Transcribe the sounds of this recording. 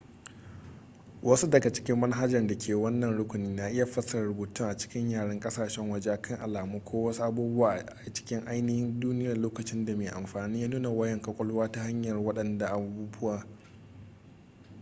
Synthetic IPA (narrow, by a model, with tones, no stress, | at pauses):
wɐ˦su˦dɐ˨ɡɐ˨t͡ʃɪ̥˦kʲɪ˦mːɐ˦nɦa˦d͡ʒɐ˨rda˨kʲʰeː˨wɐ˦nːɐ˨nɽʊ˦kʷʊ˨niː˦na˨ʔɪ˦ja˨ɸɐ˦sɐ˨rɽʊ˨buː˨tʊ˦ŋʔa˨t͡ʃɪ̥˦kʲɪ˦ɲjaː˨ɽɐ˦ŋkʼɐ˦saː˨ʃɛ˦ŋwɐ˦˨d͡ʒe˦ʔa˨kʰɐ˦ŋʔa˨laː˨muː˦kʷʰoː˦wɐ˦su˦ʔa˦buː˦bʊ˦waː˦ʔʔa˨t͡ʃɪ̥˦kʲɪ˦ŋʔa˦jnɪ˦hɪ˦nduː˦nɪ˦jaː˨loː˦kɐ˨t͡ʃɪ˦nda˨meː˨ʔa˨mɸaː˨niː˦jaː˦nuː˦na˨wɐ˦jɐ˦˨ŋkɐ˦kʷʼɐ˦lwaː˦ta˦ha˦ɲjɐ˨rwɐ˦ɗɐ˨nda˨ʔa˨buː˦bʊ˦waː˨